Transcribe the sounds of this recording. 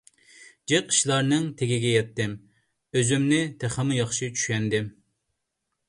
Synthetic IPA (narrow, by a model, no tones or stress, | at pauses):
d͡ʒeqːi̥ʃlˠɑɾnɨŋt̪ʰeɡʲiɡʲɛjɛt̪ːɪm | øzymnɪt̪ʰeχəmɨjɑχʃit͡ʃʰy̥ʃʲɛnd̪ɪm